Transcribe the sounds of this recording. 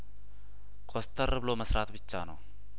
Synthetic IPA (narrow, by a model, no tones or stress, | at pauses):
kʰost̪ʰərɨbɨloməsɾat̪bɨt͡ʃːanə̰w